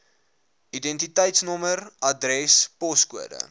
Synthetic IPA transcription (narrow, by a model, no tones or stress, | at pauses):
idɛntitəjtsnɔmərɐdrɛspɔskuədə̰